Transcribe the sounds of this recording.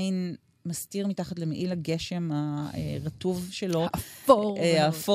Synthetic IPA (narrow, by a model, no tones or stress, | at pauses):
in | mastiʁmitaχatlemeʔilaɡeʃe̞mhaḛʁatuvʃelo̞ | afo